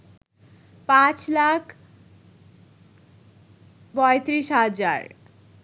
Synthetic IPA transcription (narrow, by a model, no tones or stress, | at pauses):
pãt͡slakʰ | bʌjt̪ɾisɦad͡za̰r